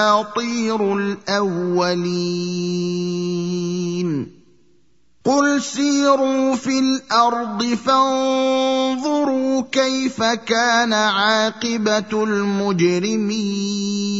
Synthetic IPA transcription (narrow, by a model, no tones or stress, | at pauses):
at̪ˤiːɾʊlʔawːali | n | qʊlsiːɾuːfilʔɑɾˤd̪ˤɨfan | ðˤʊɾuːkajfakaːnaʕɑːqɪbalmʊd͡ʒɾɪmiː